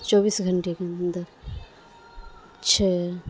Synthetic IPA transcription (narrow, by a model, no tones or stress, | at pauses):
t͡ʃɔːbiːsɡʱɐɳʈekeɐnd̪əɾ | t͡ʃʰɛ